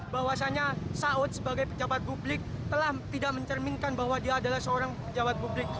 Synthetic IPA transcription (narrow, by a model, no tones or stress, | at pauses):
baɦwasaɲasaʊt̪̚səbaɡajpəd͡ʒabat̪̚publɪk̚t̪əlaht̪idaʔ̚məɲt͡ʃərmɪnkanbahwadiaːdalahsəoɾaŋpəd͡ʒabat̪̚publɪk̚